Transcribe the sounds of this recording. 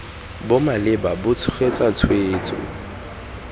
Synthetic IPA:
bʊmalɪbabʊt͡sʰʊ̥χet͡sʼat͡sʰweːt͡sʼɔ̰

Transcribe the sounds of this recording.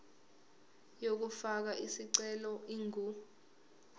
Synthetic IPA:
jok̬ufak̬aʔisiǀɛlɔiŋu

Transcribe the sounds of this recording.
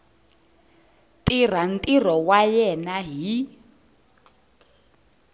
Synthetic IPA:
tir̤an̩tʼir̤ɔwajɛnaɦi

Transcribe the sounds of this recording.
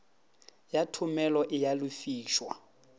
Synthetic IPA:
jatʰʊmɛlɔʔɪjalʊfiːʃwa̰

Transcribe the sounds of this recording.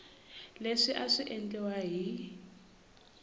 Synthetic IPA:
leʂiʔaʂiʔɛntʼɛwaɦi

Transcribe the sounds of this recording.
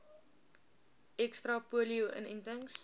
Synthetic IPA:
ɛkstrɐpuəliuʔə̰nəntəŋs

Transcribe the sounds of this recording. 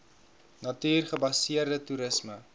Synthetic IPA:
nɐtiːrχəbɐsiərdətuɾəsmə

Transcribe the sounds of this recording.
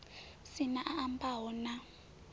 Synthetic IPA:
sinaʔaʔambaɦɔna

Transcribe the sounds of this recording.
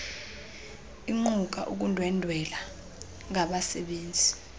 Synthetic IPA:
iŋ͡ǃuk̬aʔuk̬undʱwɛndʱwɛla | ŋaɓasɛɓeːnd͡zʱi

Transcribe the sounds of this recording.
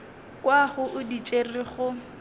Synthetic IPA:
kwaχʊʔʊdit͡ʃʼerɪχʊ

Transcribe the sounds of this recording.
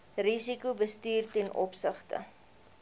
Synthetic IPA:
risikubəstiːrtɛnʔɔpsəχtə̰

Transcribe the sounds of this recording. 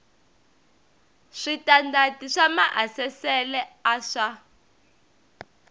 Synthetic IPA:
ʂitandatiʂamaʔasɛsɛlɛaʂa

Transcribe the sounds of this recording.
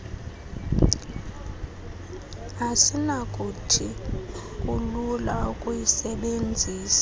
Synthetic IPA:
asinakʼutʰi | kʼululaukʼujisɛɓend͡zʱiːsḁ

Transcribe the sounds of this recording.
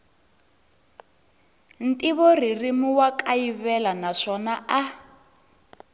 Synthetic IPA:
n̩tʼiβɔririmuwakʼajiβɛlanaʂɔnaa

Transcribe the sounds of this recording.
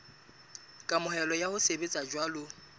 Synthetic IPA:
kʼamʊhɛlɔjahʊsebet͡sʼad͡ʒwalʊ

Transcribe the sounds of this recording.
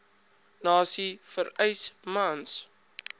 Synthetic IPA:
nɑːsifəɾəjsmɐns

